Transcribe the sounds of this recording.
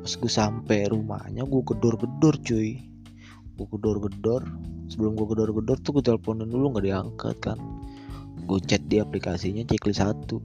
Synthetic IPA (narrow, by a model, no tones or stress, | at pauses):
asɡuasampɛɾuma̰hɲaɡuakədɔrɡədɔrt͡ʃui | ɡuakədɔrɡədɔrsəbəlʊmɡuakədɔrɡədɔrt̪ukut̪ɛləpɔninulʊŋɡadiaŋka̰t̪̚kan | ɡuat͡ʃɛt̪̚diaplikasiɲat͡ʃiklisat̪u